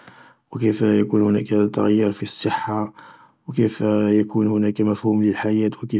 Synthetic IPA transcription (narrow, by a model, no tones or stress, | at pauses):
wəkifjækunhʊnækt̪ːɑɣjːɑɾfisˤːəħːa | wkifjækunhʊnækæmæfhumləlħajæt̪wəki